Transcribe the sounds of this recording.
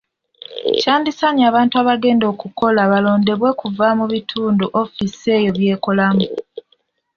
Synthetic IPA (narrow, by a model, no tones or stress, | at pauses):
caːndisaɲiaːβaːntuaːβaɡe̞ːndo̞ːkuko̞laβalo̞ːnde̞βwe̞kuvamuβitʰuːnduʔo̞fise̞jo̞βje̞ːko̞lamu